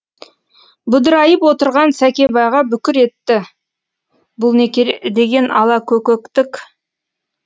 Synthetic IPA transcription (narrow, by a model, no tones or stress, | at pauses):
bʊd̪əɾɑjəpwo̞t̪əɾʁɑnsækʲe̞bɑjʁɑbʏkʲɪɾe̞t̪ːɪ | bʊlˠned̪e̞ɡʲe̞nɑlˠɑkʲʰɵkʲɵkt̪ɪkʲ